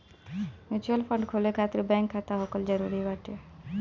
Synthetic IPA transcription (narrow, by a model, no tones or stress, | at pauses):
ʋɪt͡ʃuəlpʰəɳɖkʰolekʰaːt̪əɾbɛ̃ŋkʰːat̪aɦokəld͡ʒəɾuɾibaʈe